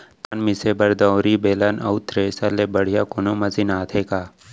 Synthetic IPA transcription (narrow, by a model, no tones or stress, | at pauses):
t̪anmisebɐɾd̪awɾibeːlanɐ̰ʊt̪ʰɾesɐlebɐɽ̤ijakonomɐzinaːt̪ʰeːkaː